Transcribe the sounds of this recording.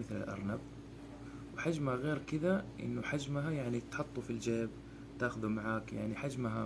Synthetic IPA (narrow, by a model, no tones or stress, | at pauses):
mɪθlɪ̰lʔɑ̰ɾˤnab | wɪħad͡ʒmhaɣeːɾkɪðaʔɪ̰nːʊħad͡ʒmɦajaʕnit̪ħʊt̪ˤːufild͡ʒeːb | t̪aːxʊðumaʕaːkja̰ʕniħad͡ʒmɦa